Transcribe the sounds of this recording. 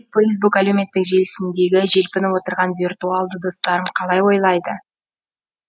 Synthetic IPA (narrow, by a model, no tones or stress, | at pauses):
flˠejs̬bukælɵwme̞t̪ːɪkʒe̞lɪsɪnd̪e̞ɡʲɪʒe̞lpɪnwo̞t̪əɾʁɑnvirt̪ualˠd̪əd̪o̞st̪ɑɾəmqʰɑlˠɑjwo̞jlˠɑjd̪ə